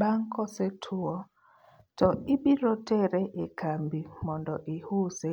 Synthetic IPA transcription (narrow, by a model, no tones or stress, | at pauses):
ɓaŋ̩kɔsɛtʰuɔ | tɔiɓiɾɔtɛɾɛʔekʰambimɔndɔʔihusɛ